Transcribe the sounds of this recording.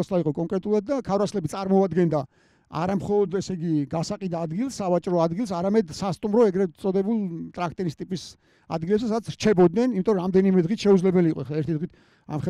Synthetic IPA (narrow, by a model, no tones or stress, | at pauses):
slaiqʼɔkʼɔŋkʼɾɛt̪ʼulˠad̪̚d̪akʰavɾaslɛbit̪sʼaɾmɔad̪ɡɛnd̪a | a̰ɾamχɔlˠɔd̪ɛsɛiɡiɡasaqʼid̪aːd̪ɡilˠsːavat͡ʃʼɾɔad̪ɡilˠs̬aɾamɛd̪sast̪ʼumɾɔɛɡɾɛsʼɔd̪ɛbulˠt̪ʼɾakʰt̪ʼɛɾist̪ʼipʼis | a̰d̪ɡilɛps̬ɛsad̪atsʰɾt͡ʃʰɛbɔd̪nɛnimit̪ʼɔɾɔɾamd̪ɛnimɛd̪ʁit̪ʰʃɛud̪zlɛbɛliːqʼɔɛχlaɛɾt̪ʰid̪ʁit̪ʰ | a̰mχɛ